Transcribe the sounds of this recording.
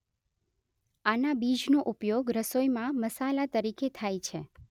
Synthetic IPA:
anabid͡ʒnoʔupjoɡɾəsojmãməsalat̪əɾiket̪ʰajt͡ʃʰe

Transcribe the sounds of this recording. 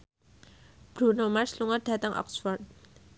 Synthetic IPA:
b̥ɾunomarsluŋard̥a̤t̪əŋʔɔ̰ksfɔrt̪̚

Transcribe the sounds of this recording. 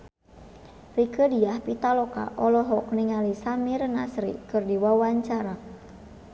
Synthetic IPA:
rikədiahpit̪alɔka̰ʔɔlɔɦɔk̚niŋalisamiɾnasɾḭkɨrdiwawaɲt͡ʃaɾa

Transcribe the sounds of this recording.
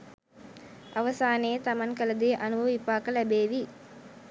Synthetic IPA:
ʔɐʋɐsaːneːt̪ɐmɐŋkələd̪eːʔɐnubʱɐʋʋipaːkəlɛbeːʋi

